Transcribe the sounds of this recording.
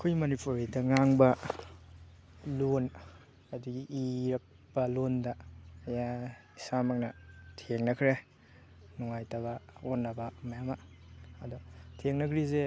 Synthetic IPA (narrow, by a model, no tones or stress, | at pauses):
kʰojmɐnipʰuɾidɐŋaŋbɐ | lon | ɐdiɡiʔiɾɐk̚ | pɐlondɐːjaisamak̚nɐtʰeŋnɐkʰɾe | nuŋajtaβaonːɐbamɐjama | ɐdɔtʰeŋnɐkʰɾize